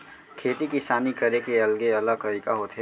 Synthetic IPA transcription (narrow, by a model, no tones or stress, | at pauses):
kʰeːt̪ikisaːnikɐɾekeɐlɡeɐləɡkɐɾɪkaɦoːt̪ɦe